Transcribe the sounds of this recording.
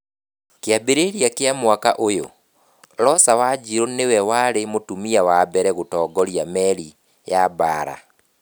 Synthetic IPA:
keabeɾeɾjakeamwakaʔojo̰ | ɾɔsawad͡ʑiɾonewɛwaɾemotumiawabɛɾɛɣotɔːɡɔɾiamɛɾi | jabaːɾa̰

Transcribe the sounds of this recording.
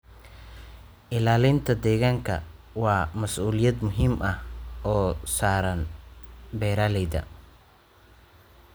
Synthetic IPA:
ʔɪlaːlɪnt̪ʰɐd̪ɛːɣaːŋkʰɐ̰ | wɑːmɐsʔuːlɪjɐd̪mʊɦiːmʔɐhɔːsaːɾɐn | bɛːɾaːlɛjd̪ɐ̰

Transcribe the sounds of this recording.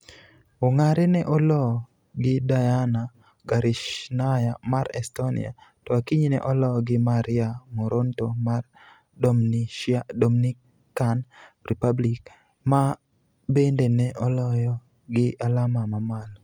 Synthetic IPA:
oŋaɾenɛʔɔlɔ | ɡɪdajana | ɡaɾiʃnajamaɾɛstonḭa̰tɔakiɲinɛ̰ʔɔlɔɡɪmaɾɪamoɾontomar | domni | kanripablik | ma | bendenɛʔɔlɔjɔ | ɡɪʔalamamamal

